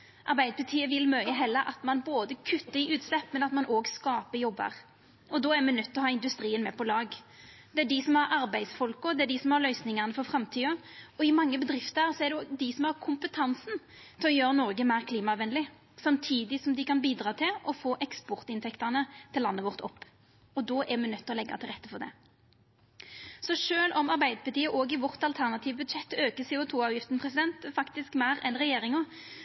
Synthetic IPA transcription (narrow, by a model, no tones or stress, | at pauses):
ʔɑɾbæɪd̪əpʰʉt̪ʰiːəʋɪlmœʏəɦɛlːəɾʔɑ̰t̪mɑnboːd̪əkʰʉt̪ːəɪʉːt̪slɛpːmɛnɑt̪mɑnʔoːɡskɑːpəɾjɔbːə̰ʁ | ɔd̪ɔːæɾmɛnœt̪ːɔɦɑːɪnd̪ʉst̪ɾiːənmɛpʰɔlɑːɡ | d̪̥ɛæɖɪsɔmhɑɾɑɾbæɪsfɔlkɔd̪ɛæɖɪsɔmhɑʁlœʏsnɪŋəʁnəfɔʁfɾɑmt̪ʰiːɑɔɪmɑŋːəbəd̪ɾɪft̪əɾsɔæɖɛd̪ɪsɔmhɑʁkʰʊmpət̪ʰɑnsn | t̪ʰɪlɔjøːʁənɔɾɡəmæɪʁkʰliːmɑɑʋʋɛnlɪ | sɑmt̪ʰiːd̪ɪsɔmd̪ɪkɑnbiːd̪ɾɑːt̪ʰɪlʔɔfoːʔɛkspɔʁt̪ɪnt̪ʰɛkt̪ənət̪ʰɪlːɑnːəʋɔʁt̪ʰɔpː | ɔd̪ɔːʔɛmɛnœt̪ʰːɔlɛɡːɑ̰t̪ʰɪlʁɛt̪ːəfɔʁd̪ɛ̰ | sɔʂøːlʔɔmɑʁbæɪd̪əpɑt̪iːəʔoːɡɪʋɔʁt̪ɑlt̪ʰæʁnɑt̪ʰiːʋbʉd̪ʃɛt̪ːøːkəsɛːʊt̪ʰuːɑːʋjɪft̪n̩pʰʁɛsɪd̪ɛnt̪fɑkt̪ɪskmæɪɾɛnʁɛjeːɾɪŋɔ